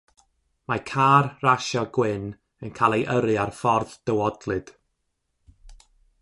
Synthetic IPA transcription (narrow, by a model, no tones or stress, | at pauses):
makʰaːrraʃɔɡwɪn | ənkʰalˠejʔəɾɨarfɔrðd̥əwɔdlˠɨd̥